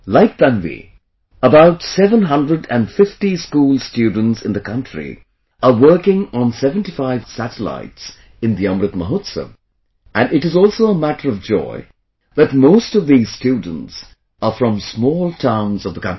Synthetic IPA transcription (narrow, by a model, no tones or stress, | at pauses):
laɪk̚bæ̃nvḭ | əbaʊtsɛvə̃nɦʌ̃ndɹədɨ̃nɖfɪftiskuːlˠstjʉːdⁿn̩tsɨ̃nd̪ɨkʰʌ̃ntʰɹ̥ḭ | əwɜ˞kɪ̃ŋə̃nsɛvə̃ntifaɪv̥sætəla̰ɪts | ɨ̃nðiʌ̃mɾɨt̪məɦʊtsə̰m | ʔæ̃nɖɨʈɨzɔlˠsoʊəmæɾə˞ʌvd͡ʒɔ̰ɪ | ðɨt̚moʊstʌvðiz̥stjud̃ⁿn̩ts | əfɹʌ̃msmɔːlˠtʰãʊ̃nzʌvðəkʰʌ̃ni